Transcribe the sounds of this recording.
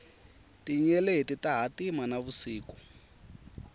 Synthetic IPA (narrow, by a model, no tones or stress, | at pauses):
tiɲɛletitaɦatimanaβusiːku̥